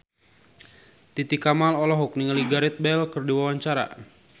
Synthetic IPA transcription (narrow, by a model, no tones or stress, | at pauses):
t̪it̪ikamalɔlɔɦuk̚niŋəliɡaɾɛt̪̚bɛlkɨrdiwawaɲt͡ʃaɾa̰